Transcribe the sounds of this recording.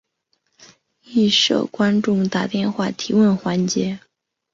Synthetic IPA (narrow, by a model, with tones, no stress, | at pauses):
i˥˩ʂɤ̰˨˩kwa˥nʈ͡ʂʊ˥˧ŋt̪a˥˩t̪jɛ˥˧nxwa˥˩t̪ʰi˧˥wə˥˩nxwa˧˥nt͡ɕjɛ˧˥